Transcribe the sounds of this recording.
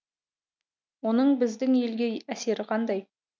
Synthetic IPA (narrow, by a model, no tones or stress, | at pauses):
wo̞nəɴbɪzd̪ɪŋe̞lɡʲe̞æse̞ɾɪqʰɑnd̪ɑj